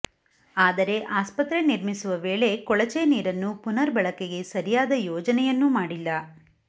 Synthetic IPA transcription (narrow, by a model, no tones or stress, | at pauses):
aːd̪ɐɾe̞ʔaːspɐt̪ɾeniɾmisuʋɐʋeːɭe̞kɔɭɐt͡ʃeniːɾɐnːupunɐɾbɐɭɐkeɡe̞sɐɾijaːd̪ɐjɔːd͡ʒɐnɛjɐnːumaːɽilːɐ